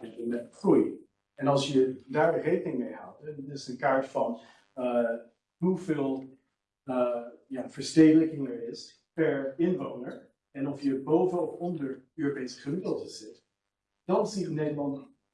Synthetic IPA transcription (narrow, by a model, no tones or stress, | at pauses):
dəɛχruj | ɛnɑlˠsjədaːɹbərejkənɪŋmejɦawtɛtɪsənkaːɹtfɑn | ɦuvɪːlˠ | əjavəɹsteːdələkɪŋɛɹɪs | pɛɹɪnʋownəɹ | ɛnɔfjəbowvənɔfɔndəɹøːropejsə̥χəmɪdl̩ˠdəz̥ɪt | d̥ɑnziχnejdəɹlɑnt